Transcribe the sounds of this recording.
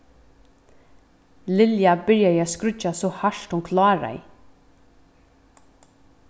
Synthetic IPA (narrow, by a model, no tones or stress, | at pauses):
lɪljabʏɹjajaskɾʏt͡ʃasɔhaʂt̪ʊŋkʰlɑːɹa̰ɪ̰